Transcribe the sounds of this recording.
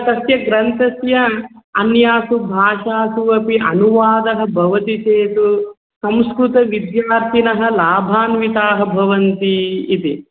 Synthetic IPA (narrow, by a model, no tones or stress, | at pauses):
t̪ɐsjɐɡɾɐnt̪ɐsjɐɐnjaːsubʱaːʂaːsuɐpiʔɐ̰nuʋaːd̪ɐɦɐbʱɐʋɐt̪it͡ʃeːt̪u | sɐmskɾut̪ɐʋid̪jaːɾt̪ʰinɐɦɐ̆laːbʱaːnʋit̪aːɦɐbʱɐʋɐnt̪iːt̪i